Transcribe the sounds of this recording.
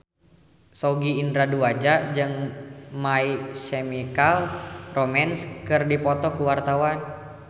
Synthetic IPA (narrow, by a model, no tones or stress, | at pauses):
soɡiːndɾaduad͡ʒad͡ʒɨŋmaisemikalromɛnskɨrdipɔt̪ɔkuwart̪awan